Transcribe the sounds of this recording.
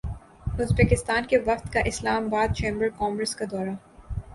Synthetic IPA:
ʊzbekɪst̪aːnkeʋɐft̪kaʔɪslaːmabaːd̪̚t͡ʃẽːmbəɾkɔːmɡɾəskad̪ɔːɾa

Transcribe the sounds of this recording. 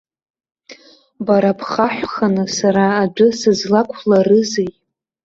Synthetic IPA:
baɾapʰχaħʷᶣχanɨsaɾaːd͡ʒʷʊsɨzlakʷʰlarɨzej

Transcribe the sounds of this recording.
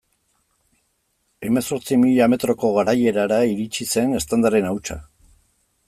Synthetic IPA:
e̞me̞so̞ɾt͡simiʎame̞t̪ɾo̞ko̞ɣaɾaje̞ɾaɾaiɾit͡ʃise̞ne̞st̪and̪aɾe̞nawt͡ʃa̰

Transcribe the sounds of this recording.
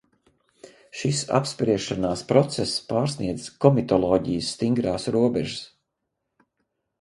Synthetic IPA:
ʃisa̰pspɾiɛʃanaːspɾɔt̪sɛspaːɾsniɛd̪z̥kɔmit̪ɔlˠɔːɟijəsːt̪iŋɡɾaːsɾuɔbɛʒəs

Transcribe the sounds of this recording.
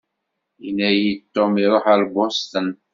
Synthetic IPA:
jinːæjit̪ːomiɾoħæɾɡʷost̪ən

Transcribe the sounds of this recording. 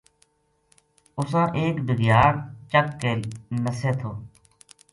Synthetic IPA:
ʊsãːʔeːkbʱɪɡjaːnt͡ʃəkːeːlnəseːt̪ʰoː

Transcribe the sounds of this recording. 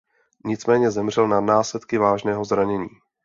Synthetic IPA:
ɲɪt͡smɛːɲɛzɛmr̝ɛlnanaːslɛt̪kɪvaːʒnɛːɦo̞zɾaɲɛɲiː

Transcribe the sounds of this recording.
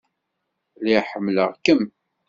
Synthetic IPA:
liħəmːləʁkəm

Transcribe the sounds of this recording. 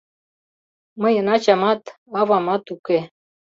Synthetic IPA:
mɐjɐnat͡ɕamat̪ | avamat̪uke

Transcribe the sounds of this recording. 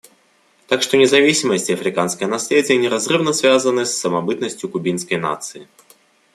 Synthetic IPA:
t̪akʂt̪ɔnʲɛzavʲisʲimɐsʲt͡sʲiɐfɾʲɨkanskɐɣɐnasʲlʲed͡zʲɪjɐnʲɛɾazrɨwnɐsʲvʲazɐnɨsːɐmabɨt̪nɐsʲt͡sʲjukubʲinskəjna̰t̪sɨi

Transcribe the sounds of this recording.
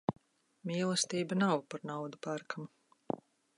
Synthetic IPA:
mʲiːlˠɛst̪iːbanawpaɾnawd̪upaɾkʰamu

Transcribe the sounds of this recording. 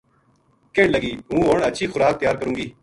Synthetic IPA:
keɳləɡiːũːɦoːɳətːʃʰiːxʊɾaːk̚t̪ɪjaːɾkəɾũːŋɡiː

